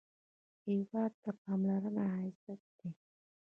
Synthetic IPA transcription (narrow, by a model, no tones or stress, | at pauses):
ewad̪̚t̪əpamlaɾənaɦasat̪̚d̪e